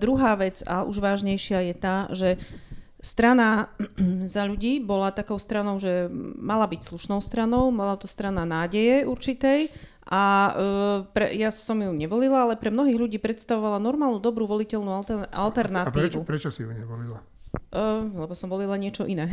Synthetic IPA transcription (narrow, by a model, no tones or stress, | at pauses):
d̪ɾuɦaːʋɛd͡za̰ʔṵʒʋaːʒɲɛjʃɪajɛt̪aːʒɛ | st̪ɾana | zaʎuɟiːbɔlat̪akɔʊst̪ɾanɔʊʒɛmalabicsluʃnɔʊst̪ɾanɔʊmalat̪ɔst̪ɾananaːɟɛjɛuɾt͡ʃit̪ɛj | ʔa | pɾɛ̰jasɔmjuɲɛʋɔlilaalɛpɾɛmnɔɦiːɣʎuɟiːpɾɛt̪st̪aʋɔʋalanɔɾmaːlnud̪ɔbɾuːʋɔlicɛlnuaa̰lt̪ɛɾnaiɛːupɾɛt͡ʃɔsijuɲɛʋɔlila | lɛbɔsɔmʋɔlilaɲɪɛt͡ʃɔʔinɛː